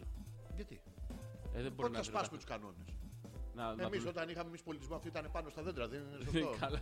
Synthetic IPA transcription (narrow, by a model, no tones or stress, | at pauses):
ʝɐt̪ḭ | eðeboɾonɐspɐsumet̪u̥skɐno̞̰nesnɐemiso̞t̪ɐnixɐme̞mispo̞lit̪izmoɐft̪oit̪ɐne̞pɐnost̪ɐðed̪ɾɐðesosoɐl